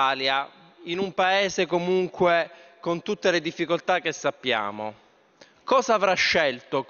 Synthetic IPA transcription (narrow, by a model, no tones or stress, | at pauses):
aːlja | inumpaeːzekomuŋkwekont̪ut̪ːeled̪ifːikolt̪akːesːapːja̰ːmo̰ | kɔːzaːvɾaʃːelt̪o